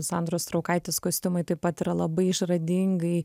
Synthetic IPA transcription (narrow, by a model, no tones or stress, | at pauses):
sɑnd̪ɾoːst̪ɾɒʊkɐɪt̪ʲeːskoːsʲt̪ʲɪmɐɪt̪ɐɪpɐt̪ɪɾɐlˠɐbɐɪɪʃrɐd̪ʲɪŋɡɐɪ